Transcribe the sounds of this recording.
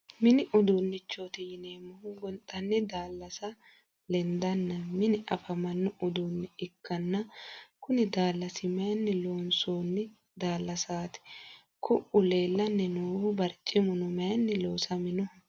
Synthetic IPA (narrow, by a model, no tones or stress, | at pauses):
mɪnɪʔʊd̪unːɪt͡ʃːot̪ɪjɪneːmːʊhʊɡɔnt̪ʼɐnːɪd̪aːlːɐsɐ | lɛnd̪ɐnːɐmɪnɪʔɐfɐmɐnːʊʔʊd̪uːnːɪɪkːɐnːɐkʊnɪd̪aːlːɐsɪmɐjɐnːɪloːnsoːnːɪ | d̪aːlːɐsaːt̪ɪ̥ | kʰʊʔʊle̞ːlːɐnːɛnuːbɐɾt͡ʃʼːɪmʊnʊmɐjnːɪloːsɐmɪnʊh